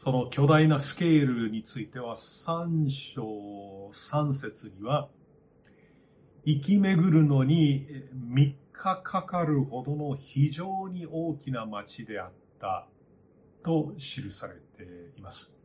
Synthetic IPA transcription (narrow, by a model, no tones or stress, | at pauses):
so̞no̞kʲo̞d̪ainasɨ̥ke̞ːɾɯ̟ɲ̟it͡sɨit̪e̞β̞asãɰ̃ɕoːsãɰ̃se̞t͡sɨɲ̟iβa | ikʲime̞ɡɯ̟ɾɯ̟no̞ɲ̟imʲikʰːakʰakaɾɯ̟ho̞d̪o̞no̞çiʑo̞ːɲ̟io̞ːkʲinamat͡ɕid̪e̞at̪ːa | t̪o̞ɕiɾɯ̟saɾe̞̰t̪e̞imasɨ̥